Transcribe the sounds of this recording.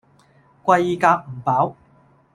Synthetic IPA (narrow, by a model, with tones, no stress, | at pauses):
kʷɐ˧ji˧kaː˧k̚m̩˨˩paː˨˥w